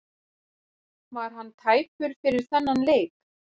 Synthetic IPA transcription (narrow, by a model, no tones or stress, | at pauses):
vaɾ̥ɦanːt̪ʰaːjpʏɾ̥fɪɾɪɾ̥θɛnːanleːjk